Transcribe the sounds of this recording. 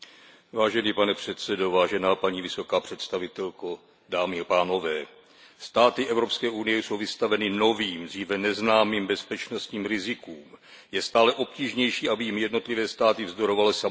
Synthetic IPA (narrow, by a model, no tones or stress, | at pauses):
vaːʒɛniːpanɛpr̝̥ɛt̪sɛdo̞vaːʒɛnaːpaɲiːvɪso̞kaːpr̝̥ɛt̪st̪avɪt̪ɛlko | daːmɪapaːno̞vɛː | st̪aːt̪ɪʔɛvɾo̞pskɛːʔunɪjɛso̞wvɪst̪avɛnɪno̞viːmd̪r̝iːvɛnɛznaːmiːmbɛspɛt͡ʃno̞st̪ɲiːmɾɪzɪkuːm | jɛst̪aːlɛʔo̞p̚ciːʒɲɛjʃiːabɪjimjɛdno̞t̪lɪvɛːst̪aːt̪ɪvzdo̞ɾo̞valɪsa